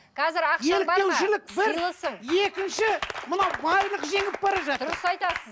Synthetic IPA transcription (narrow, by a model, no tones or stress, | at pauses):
qʰɑzɪɾɑqjelbɑenʒɪlɪk̚bɪɾlˠəsəŋjekʲɪnʃɪmənɑwbɑjlˠəqʒe̞ŋɪp̚bɑɾɑʒɑt̪ʊɾəsɑjt̪ɑsəz